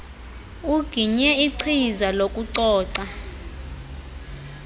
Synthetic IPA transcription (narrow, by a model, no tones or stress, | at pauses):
uɡ̥ʱiɲɛiǀʰizalokʼuǀɔːǀa